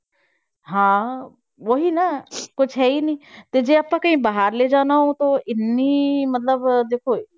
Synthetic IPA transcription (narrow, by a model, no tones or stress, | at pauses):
ɦãː | ʋoɦinakʊd͡ʒʰʱɦɛinĩt̪ed͡ʒeːɐpãkɐɦĩːbaɦaɾled͡ʒaːnaɦõt̪oɪnːimɐt̪ləbd̪eːkʰo